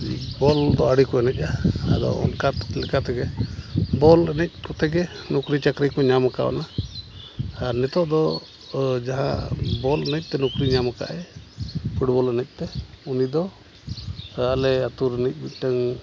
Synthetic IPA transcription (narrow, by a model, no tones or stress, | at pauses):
bɔld̪ɔaɽikɔɛnɛc̚ˀaa̰d̪ɔ̰ɔ̰nkat̪lɛkat̪ɛɡɛ | bɔlɛnɛc̚ˀkɔt̪ɛɡɛnukɾit͡ʃakɾikɔɲamaka̰a̰na | ɾnɛt̪ɔʔd̪ɔ | d͡ʒaɦã̰bɔlɛnɛc̚ˀt̪ɛnukɾiɲamaka̰ʔɛ | pʰuʈbɔlɛnɛc̚ˀt̪ɛunid̪ɔ | alɛat̪uɾɛnɛc̚ˀbit̚ˀʈaŋ